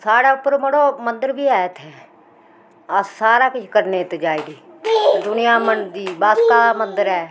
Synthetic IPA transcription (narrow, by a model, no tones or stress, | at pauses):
saːɽaːʊpːəɾməɽoːmənd̪əɾbiːaːt̪ʰeː | əssaːɾaːkɪt͡ʃʰkəɾnẽːt̪ed͡ʒaːiːdiːd̪ʊnɪjãːmənd̪iːbaːskaːmənd̪əɾɛː